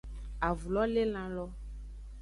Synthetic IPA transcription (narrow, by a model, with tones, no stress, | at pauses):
a˨vu˨lɔ˦le˦lã˨lɔ˦